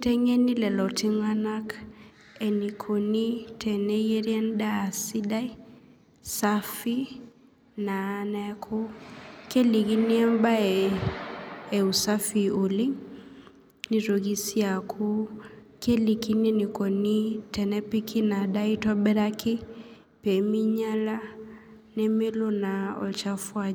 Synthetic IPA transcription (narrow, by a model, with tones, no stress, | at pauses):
tɛ˦ɲe˦ni˦lɛ˨lɔ˨tɪ˦ŋa˦na˦k | ɛ˨ni˨kʰo˨ni˦tʰɛ˨ne˦jɛ˦ɾjɛ˦n˦daː˦˨si˦da˦i˦ | sa˦fi˦ | na˨˦nɛ˦kʰʊ˦ke˦li˨ɡi˦ni˦ɛ˦m˦ba˦ɛ˨ | e˨u˨sa˦fi˨o˨lɪ˦ŋ | ni˨ɾo˨ɣi˦sja˨kʰʊ˦ | ke˦li˨ki˦ne˦ni˨kɔ˨ni˦tɛ˨nɛ˦pi˦kʰi˦na˨da˦i˦tɔ˦bɛ˦ɾa˦kɪ˦ | pe˨mi˦ɲa˦la˦ | ne˦me˦lo˦na˨ɔ̰˨t͡ʃa˦fwa˦